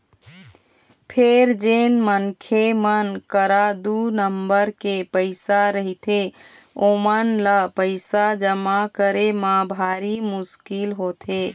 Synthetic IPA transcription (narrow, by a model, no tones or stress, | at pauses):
pʰeɾd͡ʒenmənkʰemənkəɾad̪unəmbəɾkepəɪsaɾəɦit̪ʰe | omənləpəɪsad͡ʒəmakəɾemãbʱaɾimʊskilɦot̪ʰe